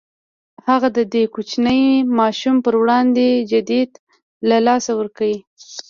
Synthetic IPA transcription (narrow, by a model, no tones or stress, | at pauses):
haɣad̪əd̪ekut͡ʃnəjmɑʃumpəɾwɽɑnd̪ed͡ʒad̪id̪ | lalɑsawəɾkawi